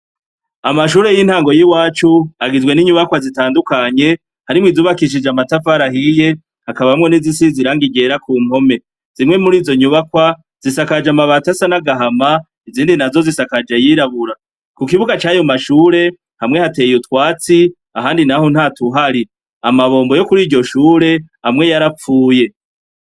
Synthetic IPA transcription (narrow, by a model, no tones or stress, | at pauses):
amaʃuːɾe̞jinhaːŋɡo̞jiwaːt͡ʃuaɡizwe̞niɲuβakwazitaːndukaɲe̞ | haɾimwiːzuːβakiʃ̬id͡ʒamatafaɾaɦije̞ | hakaβahamŋe̞nizisiziɾaːŋɡiɡe̞ɾakuːm̥ho̞me̞ | z̥imŋe̞muɾiːzo̞ɲuβakwa | z̥isakad͡ʒamaβatasanaɡaɦama | iziːndinazo̞zisakad͡ʒejiɾaβuɾa | kukiβuɡat͡ʃaːjo̞maʃuːɾe̞ | hamŋe̞hatejutwaːt͡si | aɦaːndinaho̞n̥haːtuɦaɾi | amaβo̞ːmbo̞jo̞kuɾiːɾɟo̞ʃuːɾe̞hamŋe̞jaɾap͡fuːje̞